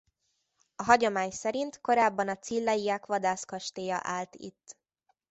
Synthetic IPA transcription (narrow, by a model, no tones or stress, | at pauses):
ɒɦɒɟomaːɲsɛɾint̪ko̞ɾaːbːɒnɒt̪silːɛjiakʋɒd̪aːskɒʃt̪eːjɒʔaːlt̪ḭt̪ː